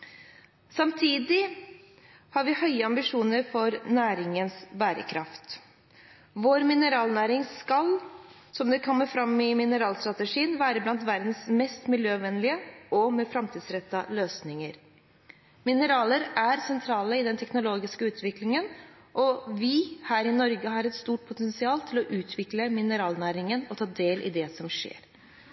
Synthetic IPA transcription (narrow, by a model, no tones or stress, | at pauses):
sɑmt̪ʰiːd̪ɪ | hɑɾʋɪhœʏəɑmbɪʂuːnəɾfɔɾnæːɾɪŋənsbæːɾə̰kʰɾɑ̰ft̪ | ʋoːɾmɪnəɾɑːlnæːɾɪŋskɑl | sɔmd̪ɛkʰɔmːəfɾɑmːɪmɪnəɾɑːlst̪ɾɑt̪əʂiːənʋæːɾəblɑnt̪ʋæɾd̪n̩smɛst̪mɪljøːʋɛnlɪəʔɔmɛfɾɑmt̪ʰiːd̪sɾɛt̪ːɑløːsnɪŋəɾ | mɪnəɾɑːləɾæɾsɛnt̪ʰɾɑːləɪd̪ɛnt̪ʰɛknʊloːɡɪskəʉːt̪ʰʋɪklɪŋən | ʔɔʋɪhæːɾɪnɔɾɡəɦɑɾɛt̪st̪uːʈ̚pʰʊt̪ɛnsɪɑːlt̪ʰɪlɔʔʉːt̪ʰʋɪkləmɪnəɾɑːlnæːɾɪŋənɔt̪ʰɑːd̪eːlʔɪ̰d̪ɛsɔmʂḛːɾ